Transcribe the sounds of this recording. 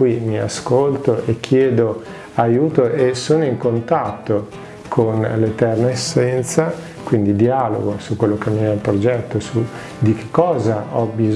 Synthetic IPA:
kimia̰skolt̪oʔekʰːjɛːd̪o | ajuːt̪oʔesoːnoiŋkont̪at̪ːo | kʰonlet̪ɛrnaesːɛnt̪sa | kwind̪id̪ialo̰ɡosukːwelːokemːiɛlpɾod͡ʒɛt̪ːosu | d̪ik̟e̥kːɔːzaɔbi

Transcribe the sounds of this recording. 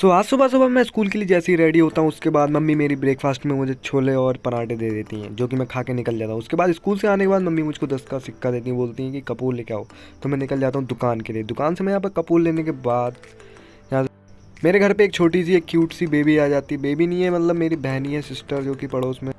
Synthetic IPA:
t̪oːaːsʊbʱas̬ʊbamɛ̃ɪskuːlk̬elied͡ʒɛːseiɾɛːɽiɦoːt̪aɦũʊskebaːd̪mɐmːimeːɾibɾeːkfʰaːsʈmẽmʊd͡ʒʱet͡ʃʰoːleɔːɾpɐnaːʈed̪eːd̪eːt̪iɦɛ̰̃d͡ʒoːk̬imɛ̃kʰaːkenɪkəld͡ʒaːt̪aɦũʊskebaːd̪ɪskuːlseaːnekebaːd̪mɐmːimʊd͡ʒʱkod̪ɐskasɪkʰːad̪eːt̪iɦɛ̃boːlt̪iɦɛ̃kikɐpuːlːekja̰ːoː | t̪omɛ̃nɪkəld͡ʒaːt̪aɦũd̪ʊkaːnkelied̪ʊkaːnsemɛ̃jɐɦãːp̬ɐɾkɐpuːlːeːnekebaːd̪ | jɐɦã | meːɾeɡʱɐɾpeeːk̚t͡ʃʰoːʈis̬ieːkjuːʈsibeːbʱiaːd͡ʒaːt̪iɛbeːbʱinɐĩɦɛmɐt̪ləbmeːɾibɛɦniɦɛ̃sɪsʈəɾd͡ʒoːkipɐɽoːsmẽ

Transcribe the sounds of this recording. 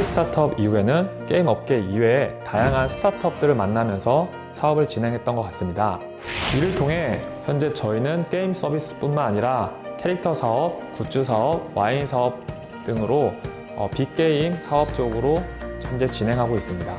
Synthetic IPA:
sʰɯ̥tʰatʰʌbiue̞nɯnk͈e̞imʌp̚k͈e̞iwe̞tajaŋɦansʰɯ̥tʰatʰʌp̚t͈ɯɾɯɭmanːamjʌnsʰʌ | sʰaʌbɯɭt͡ɕinɦe̞ŋɦe̞t̚t͈ʌnɡʌk͈as͈ɯmɲida | iɾɯɭtʰoŋɦe̞çjʌnd͡ʑe̞t͡ɕʌinɯnk͈e̞ims͈ʌbis͈ɯ̥p͈unmanaɲiɾakʰe̞ɾik̚tʰʌsʰaʌp̚kut͡ɕ͈ʰusʰaʌb̚wainsʰaʌp̚ | t͈ɯŋɯɾo | ʌ̰pik͈e̞imsʰaʌp̚t͡ɕ͈oɡɯɾot͡ɕʰʌnd͡ʑe̞t͡ɕine̞ŋɦaɡois͈ɯmɲida

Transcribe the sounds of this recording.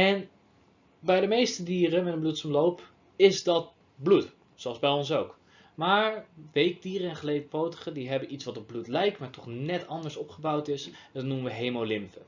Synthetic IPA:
ɛn | bɛjdəmejstədiːrəmɛtəmblutsəmlowp | ɪzdɑt̚ | blut | soɑlˠzbɛjɔnsowk | maːɹʋejk̚diːrəɛnχəlejdəpowtə̥χədiɦɛbənitsʋɑtɔb̚blutlɛjk̚tmaːɹtɔχnɛtɑndəɹsɔpχəbɑwtɪs | dɑtnuməʋəɦejmolɪmvə

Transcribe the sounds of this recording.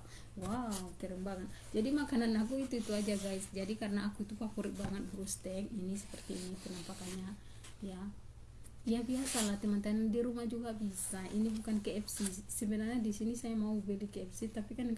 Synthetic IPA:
wawt̪ɛɾɛmbaŋət̪̚d͡ʒadimakananakuit̪uit̪uad͡ʒaɡaisd͡ʒadikaɾənaːkuit̪upapuɾik̚baŋət̪̚bɾust̪ɛkinisə̥pərt̪iːnikənampakanɲa | ja | ijabiasalat̪imant̪andiɾumahd͡ʒuɡabisaʔinibukankeɛpsisəbənarɲadisinisajamaubɛlikeɛpsit̪apikan

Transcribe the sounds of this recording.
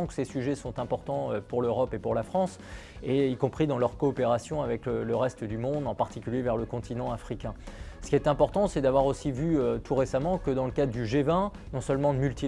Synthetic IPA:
ɔ̃kə̥sesyʒɛsɔ̃t̪ɛ̃pɔʁt̪ɑ̃øpuʁløʁɔpepuʁlafχɑ̃s | eikɔ̃pχid̪ɑ̃lœʁkɔːpeʁasjɔ̃avɛkələʁɛst̪əd̪ymɔ̃d̪ɑ̃paʁt̪ikʲyljevɛʁləkɔ̃t̪inɑ̃afχikʲɛ̃sə̥kʲiɛt̪ɛ̃pɔʁt̪ɑ̃sɛd̪avwaʁosivyøt̪ʰuʁesamɑ̃kəd̪ɑ̃ləkad̪ʁd̪yʒevɛ̃ | nɔ̃sœlmɑ̃d̪mylt̪i

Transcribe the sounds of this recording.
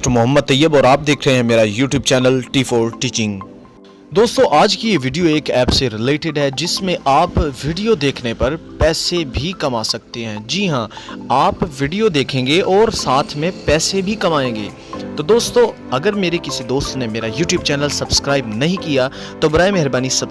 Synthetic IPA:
ʈmʊɦəmːəd̪̚t̪ːɐjːəbɔːɾaːp̚d̪eːkʰɾɐɦẽɦɛ̃meːɾajuːʈjuːb̚t͡ʃɛːnəlʈiːfoːɾʈiːt͡ʃɪ̃ŋɡ | d̪oːst̪õʔaːd͡ʒkijeʋiːɖijoeːkɛːpseɾɪleːʈɪɖɦɛd͡ʒɪsmẽʔaːpʋiːɖijod̪eːkʰnepɐɾpɛːsebʱikɐmaːsɐk̚t̪eɦɛ̃ːd͡ʒiɦãaːpʋɪɖijod̪eːkʰẽːŋɡeʔɔːɾsaːt̪ʰmẽpɛːsebʱikɐmaːẽːŋɡḛː | t̪od̪oːst̪õ | ɐɡəɾmeːɾekɪsid̪oːst̪nemeːɾajuːʈjuːbt͡ʃɛːnəlsɐbskɾaːɪbnɐɦĩkija | t̪obʊɾaːemɛɦɾbaːnisɐ

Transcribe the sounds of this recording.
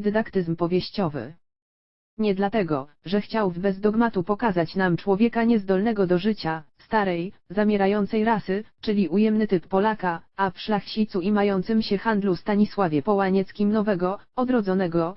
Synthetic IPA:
d̪ɘd̪akt̪ɘzmpɔvʲjɛɕt͡ɕɔvɘ̰ | ɲɛd̪lat̪ɛɡɔʐɛxt͡ɕawvbɛzd̪ɔɡmat̪upɔkazat͡ɕnamt͡ʂwɔvʲjɛkaɲɛzd̪ɔlnɛɡɔd̪ɔʐɘt͡ɕast̪aɾɛjzamʲjɛɾajɔnt̪sɛjɾasɘt͡ʂɘlʲiujɛmnɘt̪ɘpːɔlakaafʂlaxɕit̪suimajɔnt̪sɘmɕɛxand̪lust̪aɲiswavʲjɛpɔwaɲɛt̪skʲimnɔvɛɡɔɔd̪ɾɔd̪zɔnɛɡɔ

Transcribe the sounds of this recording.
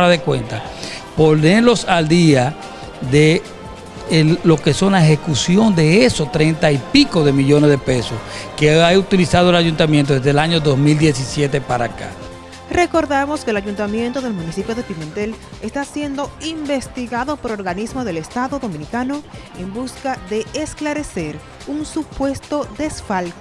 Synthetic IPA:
ɾaðekwḛnt̪a | po̞nelo̞sald̪ia | ðe̞ | lo̞ke̞so̞nlaehe̞kusjo̞nd̪e̞esost̪ɾent̪aipiko̞ðe̞miʝo̞nezðepe̞soskeaut̪ilisað̞oelaʝunt̪amjent̪oðezðelaɲoðo̞smild̪je̞sisje̞t̪e̞paɾaka̰ | re̞ko̞ɾðamo̞skeːlaʝunt̪amje̞nt̪oðe̞lmũnisipjoðe̞piment̪e̞l | est̪asje̞nd̪o̞imbe̞st̪iɣaðo̞po̞ɾoɾɣanizmoðe̞lest̪aðo̞ðo̞mĩnikano̞ | embuskaðe̞ːsklaɾe̞se̞ɾ | unsupwe̞st̪o̞ðe̞sfalt̪o

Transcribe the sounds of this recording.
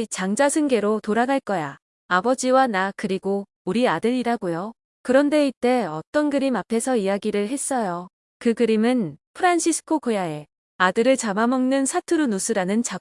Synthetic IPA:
t͡ɕaŋd͡ʑasʰɯŋɡe̞ɾotoɾaɡaɭk͈ʌja | abʌd͡ʑiwanakɯɾiɡo | uɾiadɯɾiɾaɡojo | kɯɾʌnde̞it͈e̞ʌt͈ʌnɡɯɾimapʰe̞sʰʌijaɡiɾɯɭɦe̞s͈ʌjo | kɯɡɯɾimɯnpʰɯɾanɕʰisʰɯ̥kʰokojae̞ | adɯɾɯɭt͡ɕamamʌŋnɯnsʰatʰɯɾunusʰɯɾanɯnt͡ɕa

